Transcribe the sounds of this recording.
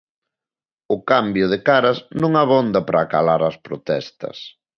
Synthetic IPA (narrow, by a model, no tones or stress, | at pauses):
ʊkambjʊð̞ɪkaɾɐznõŋaβɔnd̪ɐpɾɐːka̰laɾɐspɾot̪ɛst̪ɐ̰s